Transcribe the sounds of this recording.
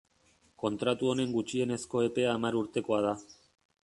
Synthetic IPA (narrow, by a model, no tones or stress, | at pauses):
ko̞nt̪ɾat̪uo̞ne̞ŋɡut͡ʃie̞ne̞sko̞e̞pe̞aːmaɾuɾt̪e̞ko̞að̞a